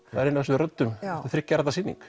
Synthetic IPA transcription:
θaðɾɪnːavɛsʏðrœt̪ːʏmɪ̥θɾɪcːaɾat̪asiːnḭŋk

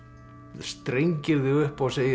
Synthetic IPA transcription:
st̪ɾejɲcɪɾðɪʏhpɔɣseːj

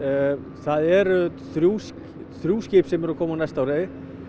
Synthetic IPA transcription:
θaðɛɾθɾjuːs | θɾjuːscɪːpsɛmɛɾakʰɔːmanajst̪awɾejɪ

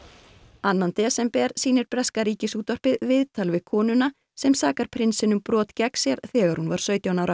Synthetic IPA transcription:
anːant̪ɛːsɛmpɛɾ̥siːnɪɾpɾɛskaɾiːcɪsuːt̪vɔr̥pɪðvɪðt̪ʰalvɪðkʰɔːnʏna | sɛmsaːkaɾ̥pʰɾɪnsɪnʏmpɾɔːt̪cɛksjɛɾθɛːɣaɾhunvaɾ̥sœːɥt̪jawnawɾa

